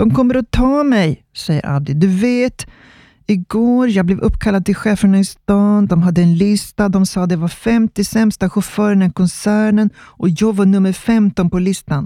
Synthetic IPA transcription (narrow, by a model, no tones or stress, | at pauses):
d̪̥ɔmkʰɔmːəɾɔt̪ʰɑːmɛj | sɛjːə̰ɾʔa̰bɪd̪ɵveːt̪ | ɪɡoːɾjɑːɡblɛvɵpːkʰalːad̪̚t̪ɪlɧeːfəɳaɪst̪ɑːnd̪ɔmɦad̪ːəɛnlɪst̪ad̪ɔmsɑːd̪ɛvaɾfɛmt̪ɪsɛmst̪aɧʊfœːɾənɛnkʰɔnsæːɳənʔɔjɑːɡvaɳɵmːəɾfɛmt̪ɔnpɔlɪst̪an